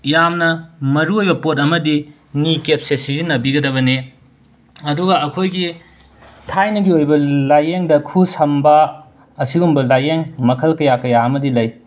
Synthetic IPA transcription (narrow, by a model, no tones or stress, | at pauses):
jamnɐmɐɾuojbɐpot̬̚ɐmɐdi | nikep̚sesizinːɐbiɡɐdɐβɐne | ɐduɡɐɐkʰojɡi | tʰajnɐɡiojbɐlajeŋdɐkʰusɐmbɐ | ɐsiɡumbɐlajeŋmɐkʰɐlkɐjakɐjaɐmɐdilɐj